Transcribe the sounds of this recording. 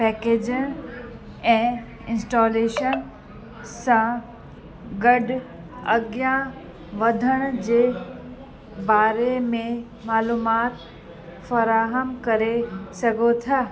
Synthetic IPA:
pɛːkeːd͡ʑən | ɛ̃ː | ɪ̃nsʈoːleːʃən | sã | ɡɐɖ | ɐ̰ɡjã | ʋɐd̪ʱəɽ̃d͡ʑeː | baːɾemẽ | maːluːmaːt̪ | fɐɾaːɦəmkɐɾesɐɡʱot̪ʰaː

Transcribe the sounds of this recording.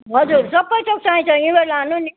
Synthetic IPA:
ɦʌd͡zuɾsʌbːʌjt͡sʌk̚saĩt͡sʰʌibʌɾlanun

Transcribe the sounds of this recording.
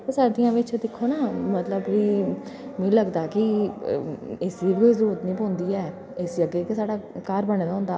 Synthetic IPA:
pːsaːɖ̪ijãːʋɪt͡ʃd̪ɪkʰːoːnaːmət̪ləbiːmĩːləɡd̪aːkɪ | ɪsiːbɪkoiːzəɾuːɾət̪nĩːpõːnd̪iːɛː | ɪsjəɡeːkesaːɽaːkaːɾbəneːd̪aːɦʊ̃nd̪aː

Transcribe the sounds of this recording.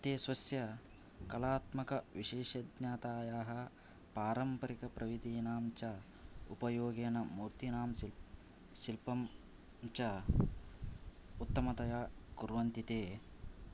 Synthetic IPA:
ɐt̪eːsʋɐsjɐ | kɐlaːt̪mɐkɐʋiʃeːʃɐd̪naːt̪aːjaːɦɐ̆ | paːɾɐmpɐɾikɐpɾʔɐʋid̪iːnaːmt͡ʃɐ | upɐjoːɡeːnɐmuːɾt̪inaːmsi | silpɐm | t͡ʃɐ | ut̪ːɐmɐt̪ɐjaːkuɾʋɐnt̪it̪eː

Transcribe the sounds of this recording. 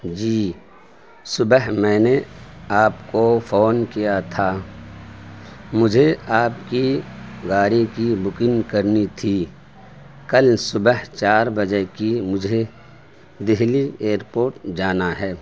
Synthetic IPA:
d͡ʒiː | sʊbəɦmɛ̃ːneaːpkofʰoːnkijat̪ʰa | mʊd͡ʒʱeaːpkiɡaːɾikibʊkɪnkəɾnit̪ʰi | kəlsʊbəɦt͡ʃaːɾbəd͡ʒekimʊd͡ʒʱe | d̪ɪɦlieːɾpoːɾʈd͡ʒaːnaɦɛː

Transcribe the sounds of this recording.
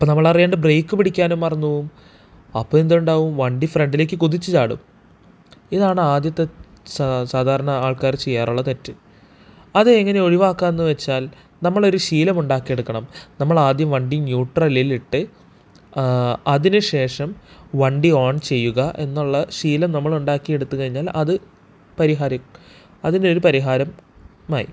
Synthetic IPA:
ɐpːonɐmːɐɭɐrijeːɳɖɨbre̞ːkːɨpiɽikʲːaːnumːɐrɐɲːuʋum | ɐpːoːend̪uɳɖaːʋumʋɐɳɖifreɳɖile̞ːkːɨkuðit͡ɕːɨt͡ɕaːɽṵm | iðaːɳɨaːd̪jɐt̪ːe̞ | saːd̪ʱaːɾɐɳɐaːɭkaːɾt͡ɕe̞jːaːruɭːɐt̪etːɨ | ɐðɨeŋːɐne̞o̞ɻiʋaːkːaːnenːuʋet͡ɕːaːl | nɐmːɐɭo̞ɾuɕiːlɐmuɳɖaːkːije̞ɽukːɐɳɐmnɐmːɐɭaːd̪jɐmʋɐɳɖinjuːʈrɐliliʈːɨ | ɐðinɨɕe̞ːʂɐmʋɐɳɖioːɳt͡ɕe̞jːuɣɐʔe̞nːuɭːɐɕiːlɐmnɐmːɐɭuɳɖaːkːie̞ɽut̪ːukɐɻiɲːaːlɐðɨ | pɐɾiɦaːɾɐ | ɐðindeo̞ɾupɐɾiɦaːɾɐmaːjḭ

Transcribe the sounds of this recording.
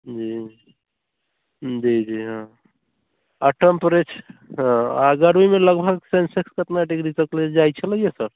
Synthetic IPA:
d͡ʒii | d͡ʒid͡ʒiɦã | aʈempɾet͡ʃʰɦãaɡəɾuimeləɡbʱəɡsensekskət̪naʈiɡɾisəkled͡ʒajt͡ʃʰələijesəɾ

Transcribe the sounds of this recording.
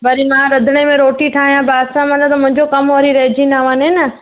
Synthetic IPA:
bɐɾimãɾɐd̪ʱɪɽ̃emẽɾoːʈiʈʰaːɦijãbaːd̪sãmɐlãt̪ɐmʊ̃ɪ̃ɲd͡ʑokɐmɦoɾiɾɐɦɪd͡ʑinaːʋãːnɪnɐ

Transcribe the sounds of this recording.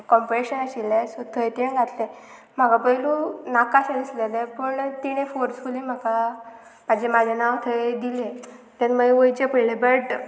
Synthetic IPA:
kɔmpɾeɕənaɕilesɔt̪ʰəjt̪enɡʱat̪le | m̤aɡapəilũnakasaɽislelepəɳt̪iɽ̃ẽfoɾsfulĩm̤aka | mad͡ʑʱemad͡ʑʱanaʋt̪ʰəjd̪ilet̪janmaɡiʋəjt͡ɕapəjlebəʈ

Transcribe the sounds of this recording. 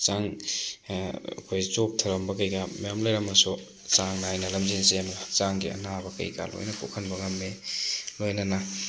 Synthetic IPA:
t͡ʃaŋ | ɐ̰kʰojt͡ʃok̚tʰɐɾɐmbɐkɐjɡɐmɐjamlojɾɐmːɐsu | t͡ʃaŋnajnɐlɐmzinsemt͡ʃaŋɡiɐ̰nabɐkɐ̰jɡa̰lo̰jnɐkokʰɐnbɐŋɐmːelojnɐnɐ

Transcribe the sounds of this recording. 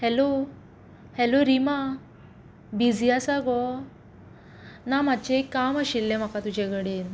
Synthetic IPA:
hɛlo | hɛloɾima | bid͡zʱijasaɡɔ | nam̤ad̪t͡ɕekːamaɕilːem̤akat̪ud͡ʑeɡəɽen

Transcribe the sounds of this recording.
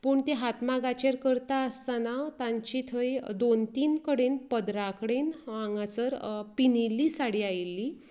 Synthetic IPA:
pəːɳt̪eɦat̪maɡat͡ɕeɾkəɾt̪aəst̪anat̪ãɲt͡ɕit̪ʰəjd̪ont̪iːnkəɽenpəd̪ɾakɽenãŋɡat͡səɾpinilːiːsaɽiːajlːiː

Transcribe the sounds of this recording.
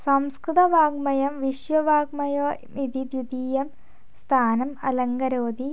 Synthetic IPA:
sɐmskɾɨt̪ɐʋaːɡ̚mɐjɐmʋiɕʋɐʋaːɡmɐjoːmid̪id̪jud̪iːjɐm | st̪ʰaːnɐmɐ̰lɐŋɡɐɾoːd̪i

